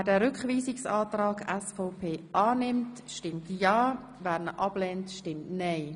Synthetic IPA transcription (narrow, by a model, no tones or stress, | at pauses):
dɛːɾʏkχʋiːsɪksaːtrɑːɡɛsfoʊpʰeːʔɑːnɪmtʃtɪmtjɑː | væːɾnəʔɑb̥lɛːntʃtɪmtnɛɪ